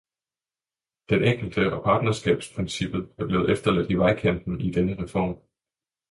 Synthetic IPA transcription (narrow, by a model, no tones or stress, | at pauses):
d̥enʔeŋ̰ɡ̥l̩d̥əʔɒ̽pʰɑ̈ːd̥nɐsɡ̥ɛ̰ːb̥spʰʁinsib̥ð̩ˠæɐb̥le̝ːð̩ˠefd̥ɐlæd̥iʋɑ̈ɪkʰem̰b̥n̩id̥enəʁɛfɒ̰ːm